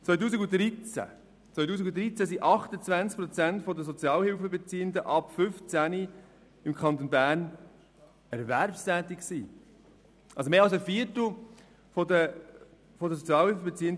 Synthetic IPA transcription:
t͡sʋœʏt̬uːsiɡutɾit͡sæ̰ | t͡sʋœʏt̬uːs̬ikɡud̪ɾit͡sæsiʔɑχt̪ət͡svænt͡sk̚pɾɔt͡sæntfɔd̪əs̬ɔt͡sjɑːlhɪlfəbɛt͡siːənd̪əʔɑpfʏft͡sæni | ɪmkʰɑnt̪onbæːɾn | ɛɾvæɾpst̪æːt̪ɪkksiː | ʔɑlsomeːɑlsəfiːəɾtl̩ | fɔd̪ə | fɔdəsot͡sijɑːlhɪlfəbet͡siːənd

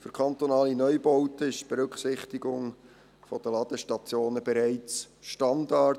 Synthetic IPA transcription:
fyɾkʰɑnt̪onɑːlinœʏbɔʊtəɪʃtb̥ɛɾɵkχsɪχtiɡʊŋ | fod̥əlɑd̥̪əʃtɑt͡sjoːnəb̥ɛɾæɪt͡s | ʃtɑndɑ

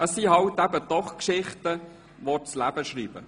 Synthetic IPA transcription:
əsːiɦɑlt̪ːæbəd̪̥ɔχkʃɪχt̪ə | ʋɔt͡slæb̥əʃɾiːb̥ə̰

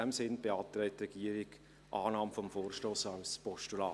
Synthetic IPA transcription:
ɛmsɪnb̥eɑːt̪ɾɛɪt̚ːrɛɡ̥iəɾɪɡ | ʔɑːnɑːmfɔmfoːrʃtoːsɑʊspɔʃtulɑː

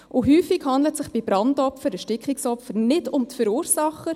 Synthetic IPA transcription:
ʔʊɦyːfiɡhɑndlətsɪχb̥ibɾɑndɔpfəɾəʃtɪkχɪksɔpfənɪdʊmtfəɾuːɾsɑχːə

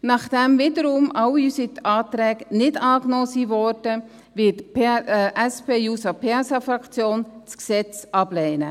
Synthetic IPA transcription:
nɑχd̥ɛmvɪdəɾumɑwiysitɑːt̪ɾɛːknɪdɑːknɔːsivɔɾd̥ə | ʋɪtpːʔæspʰeːjuːsɑpʰɛsɑfɾɑkt͡sjoːnt͡sksɛt͡sʔɑblɛɪnə

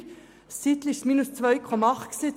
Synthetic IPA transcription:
sɪt̪lɪʃmiːnʉst̪ʰʋœʏkʰʁomɑʁksɪt̪

